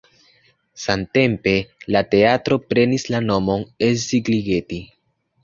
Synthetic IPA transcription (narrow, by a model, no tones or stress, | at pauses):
sante̞mpe̞late̞atɾo̞pɾe̞nislano̞mo̞ne̞sziɡliɡe̞ti